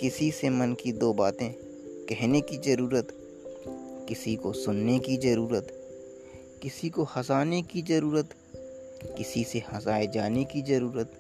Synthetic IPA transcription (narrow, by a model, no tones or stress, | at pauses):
kɪsisemɐnkid̪oːbaːt̪ẽ | kɛɦnekizɐɾuːɾət̪ | kɪsikosʊnːekizɐɾuːɾət̪ | kɪsikohɐzaːnekizɐɾuːɾət̪ | kɪsisehɐzaːed͡ʒaːnekizɐɾuːɾət̪